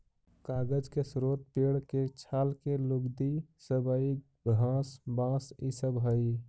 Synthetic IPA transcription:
kaːɡəd͡ʒkesɾoːt̪̚peɽket͡ʃʰaːlkeluɡd̪isəbəik̚ | ɡʱãːsbãːsisəbɦəi

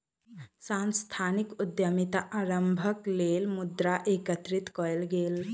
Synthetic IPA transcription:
sanst̪ʰanikud̪jəmit̪aʔaɾəmbʱəkleːlmud̪ɾaʔekət̪ɾit̪kɔjlɡeːl

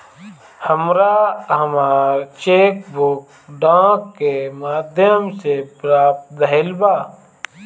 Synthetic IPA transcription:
həmɾaɦəmaːɾt͡ʃeːk̚bʊk | ɖãːkːemaːd̪ʱjəmsepɾaːp̚t̪̚d̪əɦɪlbaː

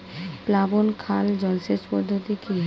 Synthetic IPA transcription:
plabonkʰald͡ʑɔlsespɔd̪ʱːod̪ikiɦ

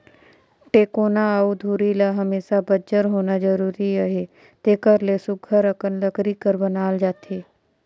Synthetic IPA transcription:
ʈeːkoːnaaud̪ʱuːɾilaɦəmeːsabəd͡ʒəɾɦoːnad͡ʒəɾuːɾiəɦe | t̪eːkəɾlesʊɡʱəɾəkənləkɾikəɾbənaːld͡ʒaːt̪eː

